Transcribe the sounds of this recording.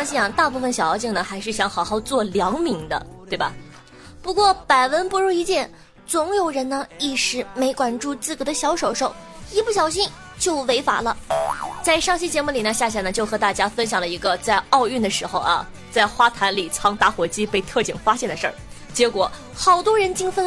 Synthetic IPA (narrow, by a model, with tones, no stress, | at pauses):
ŋɕi˥˩a˨˩t̪a˥˧pu˥˩fə˩nɕɑ˨˩ʊjɑ˧˥ʊt͡ɕi˥˩ŋnə˩xa˧˥ɪʂɻ̩˥˩ɕjɑ˧˥ŋxɑ˨˩ʊxɑ˥˧ʊt͡swɔ˥˩ljɑ˧˥ŋmi˧˥ŋd̪ə̰˧t̪we˥˩ɪbɐ̰˩ | pu˧˥kwɔ˥˩pa˨˩ɪwə˧˥npu˧˥ɻu˥˩i˧˥t͡ɕjɛ˥˩n | t͡sʊ˧˥ŋjo˨˩ʊɻə˧˥nnə˧i˥˩ʂɻ̩˧˥me˧˥ɪkwa˨˩nʈ͡ʂu˥˧t͡sɹ̩˥˩kd̪ə˧ɕjɑ˧˥ʊʂo˨˩ʊʂo˨˥˩ʊ | i˥pu˥˩ɕjɑ˨˩ʊɕ̬i˥˧n | t͡ɕjo˥˩ʊwe˧˥ɪfa̰˨˧˩lə˦t͡sa˥˧ɪʂɑ˥˧ŋɕi˥t͡ɕjɛ˧˥mu˥˩li˨˩nə˦ɕja˥˩ɕja˧˥˩nə˩t͡ɕjo˥˩ʊxɤ˧˥t̪a˥˩t͡ɕja˥fə˥nɕjɑ˨˩ŋlə˦i˧˥ɡə˧t͡sa˥˧ɪɑ˥˧ʊy˥˩nd̪ə˩ʂɻ̩˧˥xo˧ʊɐ̰˧ | t͡sa˥˩ɪxwa˥t̪ʰa˧˥nli˨˩t͡sʰɑ˥ŋt̪a˥˩xwɔ˧˥t͡ɕi˥pe˥˧ɪt̪ʰɤ˥˩t͡ɕi˨˩ŋfa˥ɕjɛ˥˩nd̪ə˩ʂə̰˥˩ | t͡ɕjɛ˧˥kwɔ˨˧˩ | xɑ˨˩ʊt̪wɔ˥ɻə˧˥nt͡ɕi˥ŋfə˥n